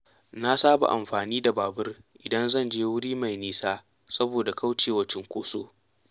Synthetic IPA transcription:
na˦saː˦ba̰˨ʔa˨mɸaː˨niː˦da˨baː˨bɪ˦rʔɪ˨dɐ˦nzɐ˦˨nd͡ʒeː˦wʊ˦ɽiː˦ma˨jniː˦saː˦ | sɐ˦boː˨da˨ka˦wt͡ʃeː˨wɐ˦t͡ʃɪ˦ŋkʷoː˦soː˦

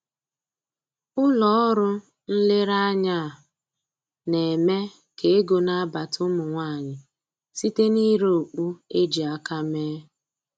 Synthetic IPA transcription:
ʊ˦lɔ˦ɔ˦ɾʊ˦ | n̩˦le˦ɾa˦ɲa˦˨ | ne˨me˦ | ke˨e˦ɡo˨na˦a˦ba˨tʊ˦mʊ˨ŋʷa˦˨ɲɪ˨ | si˦te˦ni˦ɾo˨k͡pu˦e˦d͡ʒi˨a˦ka˦meː˦

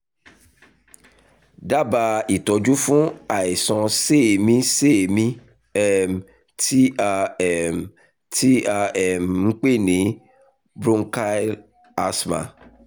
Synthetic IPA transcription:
da˦ba˧i˨tɔ˨d͡ʒu˦fũ˦a˨i˨sɔ̃˧se˦˨mĩ˦se˦˨mĩ˦ | ɛ˦m | ti˦a˧ɛ˦˨m | ti˦a˧ɛ˦˨mŋ̩˦k͡pe˦˨nĩ˨˦ | bɾũ˦ŋ˦ka˦l | a˧smã̰˨

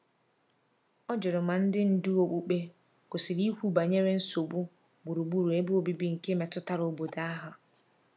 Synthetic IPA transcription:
ɔ˦d͡ʒʊ˨ɾʊ˨ma˨n̩˦dɪ˦n̩˨du˦o˨k͡pu˦k͡pe˦ | kʊ˨si˨ɾi˦hʷu˦ba˨ɲe˦ɾe˦n̩˦so˨bu˦ | ɡ͡bu˨ɾu˨ɡ͡bu˦ɾu˨e˦bu˦o˦bi˦bi˦ŋ̩˨ke˦me˨tʊ˦ta˨ɾo˨bo˨da˦ɦʊ˨

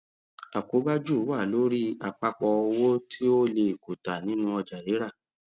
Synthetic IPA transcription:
a˨ko˨˦ba˦d͡ʒu˦˨˦wa˦˨lo˨˦ɾi˦a˧k͡pa˧k͡pɔ˧o˧wo˦tʰi˦o˦le˧i˨ko˨ta˨nĩ˦nũ˧˦ɔ˧d͡ʒa˨ɾe˨˦ɾa˦˨

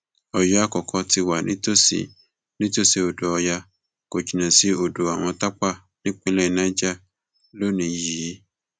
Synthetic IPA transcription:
ɔ˨ja˦kɔ˨kʰɔ˧ti˧wa˨nĩ˦to˦sḭ˨ | nĩ˦to˦˨se˧o˨do˨ɔ˧ja˧ | ko˨d͡ʒi˨nã˨si˧˦o˨do˨a˨w̃ɔ̃˧ta˦k͡pa˦˨ | nĩ˦k͡pe˦lɛ˦˨nã˦d͡ʒa˦˨ | lo˦nĩ˧ji˨˦

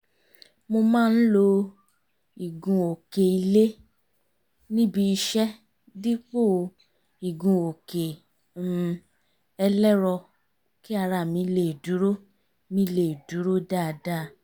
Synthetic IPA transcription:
mo˧mãː˦˧n̩˦lo˧ | i˨ɡũ˨o˨ke˨i˧le˦ | nĩ˦bi˧i˧ʃɛ˦ | di˦k͡po˦˨˧ | i˨ɡũ˨o˨ke˨ | ɛ˧lɛ˦ɾɔ˧ | ki˦a˧ɾa˨mĩ˨˧le˨du˨˦ɾo˦ | mĩ˧le˨du˨˦ɾo˦da˦˨˧da˦˨˦

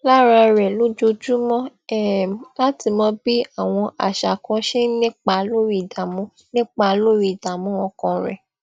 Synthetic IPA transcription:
la˦ɾa˧ɾɛ˨lo˦d͡ʒo˧d͡ʒu˦mɔ̃˦ɛ˨la˦ti˧mɔ̃˧bi˦a˦˨w̃ɔ̃˧ʔa̰˨ʃa˨kɔ̃˧ʃe˦nĩ˦k͡pa˧lo˦ɾi˦˨da˨mũ˨˦ | nĩ˦k͡pa˧lo˦ɾi˧˨da˨mũ˨˦wɔ̃˧kã˧˨ɾɛ̰˨

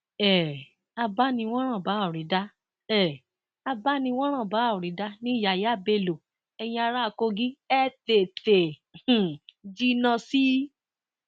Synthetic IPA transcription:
ɛ˨ | a˧ba˦nĩ˧w̃ɔ̃˦ɾ̃ã˦˨ba˨˦˨ɾĩ˨˦da˦ | ɛ˦˨ | a˧ba˦nĩ˧w̃ɔ̃˦ɾ̃ã˦˨ba˨˦˨ɾĩ˨˦da˦nĩ˦˨ja˧˨ja˦˨be˦˨lo˨ | ɛ˧j̃ĩ˧a˧ɾa˦a˧ko˧ɡi˦ɛ˦te˨te˨ | d͡ʒi˧nã˧si˦

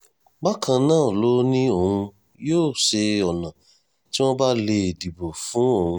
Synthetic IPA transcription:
ba˦kʰã˧nãː˦˨lo˨˦nĩ˦o˦˧hũ˧ | joː˦˨ʃe˧ɔ˨nã˨ | ti˦w̃ɔ̃˦ba˦le˧˨di˨bo˨fũ˨˦o˦˨hũ˧

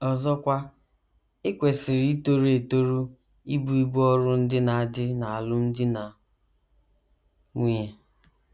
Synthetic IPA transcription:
ɔ˨zɔ˦kʷa˦ | ɪ˦kʷe˨sɪ˨ɾi˦to˦˨ɾe˨to˦ɾu˦ | i˦bu˨i˦ɡ͡bɔ˦ɾʊ˦n̩˦dɪ˦na˨a˨dɪ˦na˨a˨lʊ˦n̩˦dɪ˦na˨ | ŋʷi˦e˨

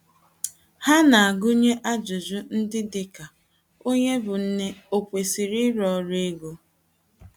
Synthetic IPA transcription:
ha˦na˨a˨ɡʊ˦ɲe˦ʔa˦d͡ʒʊ˨d͡ʒʊ˦n̩˦dɪ˦dɪ˨ka˨ | o˦ɲe˦bʊ˨n̩˦ne˦o˨kʷe˨si˨ɾi˦ɾɔ˦ɾe˦ɡo˦

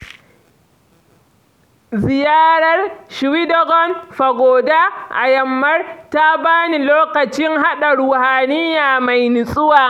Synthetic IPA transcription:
zɪ˨jaː˦ɾɐ˦rʃwi˦dɔ˦ɡɔ˦nɸa˨ɡoː˨da˦ʔa̰˨jɐ˨mːɐ˦rta˦baː˦ni˨loː˦kɐ˨t͡ʃɪ˦ŋɦa˦ɗa˨ɾʊ˨haː˨nɪ˦jaː˨ma˨jnɪ˨sʼʊ˦waː˨

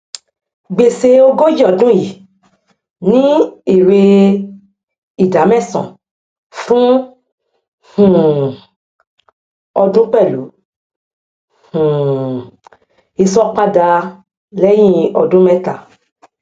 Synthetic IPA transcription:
ɡ͡be˨se˧o˧ɡo˦d͡ʒi˦ɔ˦˨dũ˦ji˨ | nĩ˦e˨ɾe˧ | i˨da˨˦mɛ̃˦˨sɔ̰̃˨ | fũ˦ | hũ˨ | ɔ˧dũ˦k͡pɛ˦˨lṵ˨˦ | h̩˨ | i˧sɔ˦k͡pa˦da˧ | lɛ˦j̃ĩ˦ɔ˧dũ˦mɛ̃˦ta˦˨

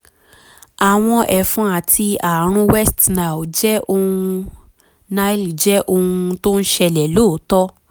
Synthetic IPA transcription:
a˨w̃ɔ̃˧ʔɛ˨fũ˨˦a˨ti˧a˨ɾ̃ũ˧wɛ˦stna˨wd͡ʒɛ˦ʔo˧hũ˧ | na˧˦li˨d͡ʒɛ˦ʔo˧ũ˧to˦n̩˦ʃɛ˧lɛ˨loː˦˨˦tɔ˦

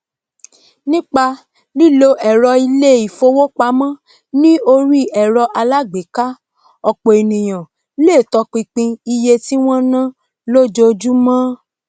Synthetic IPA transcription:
nĩ˦k͡pa˧ | li˦lo˧ʔɛ˨ɾɔ˧i˧le˦˨i˨fo˧wo˦k͡pa˨˦mã˦ | nĩ˦o˧ɾi˦ɛ˨ɾɔ˧ʔa˧la˦ɡ͡be˨˦ka˦ | ɔ˨k͡po˨i˨nĩ˨j̃ã˨ | le˦˨tɔ˧k͡pĩ˧k͡pĩ˧i˧je˧ti˦w̃ɔ̃˦nã˦ | lo˦d͡ʒo˧d͡ʒu˦mã˦

